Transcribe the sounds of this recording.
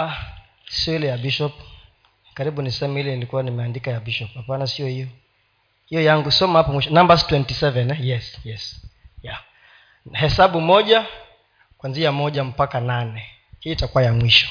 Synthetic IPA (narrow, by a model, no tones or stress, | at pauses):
siɔilɛjabiʃɔp | kaɾiɓunisɛmɛilɛnilikuwanimɛandikajabiʃɔphapanasiɔhijɔ | hijɔjaŋɡusɔmahapɔmwiʃɔnambastwɛntisɛvɛnjɛsjɛsja | hɛsaɓumɔʄa | kwanziamɔʄam̩pakananɛ | hiitakuwajamwiʃɔ̥